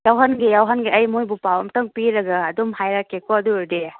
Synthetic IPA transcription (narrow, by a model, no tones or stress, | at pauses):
jawɦanɡijawɦanɡiɐjmojbupawɐmtɐŋpiɾɐɡaːdumhajɾakekɔɐduɾde